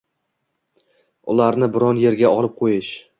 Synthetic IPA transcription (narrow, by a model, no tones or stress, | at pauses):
ʊ̰laɾnɪbɪɾɒnje̞ɾɡʲaʔɒlˠɪp̚qʰojɪʃ